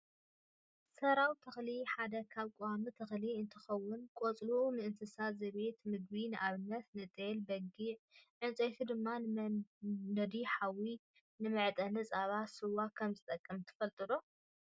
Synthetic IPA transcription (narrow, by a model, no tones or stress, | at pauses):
sɐɾawt̪ʰɐxliħad̪ɐkʰaβkʼowamit̪ʰɐxliɨnt̪ʰɨxɐwːʊnkʼot͡sʼlunɨɨnt̪ʰɨsazɐβe̞t̪mɨɡ̚binɨʔaβɨnːɐt̪nɨt̪ʼelbɐɡiʕʕɨnt͡sʼojt̪ʰid̪ɨmːa | d̪ɐd̪iħawi | nɨmɨʕt̪ʼɐnɨt͡sʼaβasɨwakʰɐmzɨt̪ʼɐkʼːɐmt̪ʰɨ̥fɐlt̪ʼɨlo